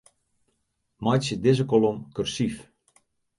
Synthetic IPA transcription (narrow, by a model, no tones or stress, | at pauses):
mɑjsədɪzəkolomkørsif